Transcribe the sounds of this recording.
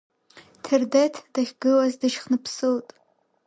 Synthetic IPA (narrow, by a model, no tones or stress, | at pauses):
tʰerdetʰd̥aχʲɡɨlazdɨʃχnɨpʰsɨwtʼ